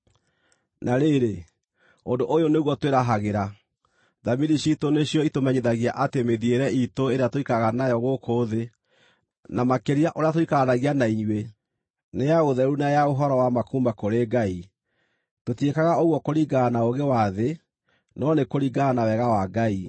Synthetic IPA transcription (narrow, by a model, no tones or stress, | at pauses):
naɾeɾe | ondoʔojoneɣwɔtweɾaɦaɣeɾa | ðamiɾiɕitoneɕijɔitomɛɲeðaɣiaʔatemeðieɾɛitoeɾeatoikaɣanajɔɣokʰoðe | namakeɾiaʔoɾeatoikaɣanaɣianaiɲwe | nejaɣoðɛɾunajaoɦɔɾɔwamakuːmbakoɾeɡai | totiekaɣaoɣwɔkoɾiɡanaoɣewaðe | nɔnekoɾiɡanawɛɣawaɡai